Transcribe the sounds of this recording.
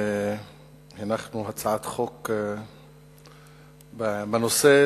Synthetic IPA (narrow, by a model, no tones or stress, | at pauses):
hanaχnuɦat͡saʕat̪χok | babanose